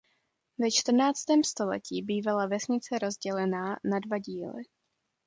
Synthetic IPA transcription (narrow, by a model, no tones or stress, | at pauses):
vɛt͡ʃt̪r̩naːt͡st̪ɛːmst̪o̞lɛ̰ciːbiːvalavɛsɲɪt͡sɛɾo̞zɟɛlɛnaːnadvaɟiːlɪ̰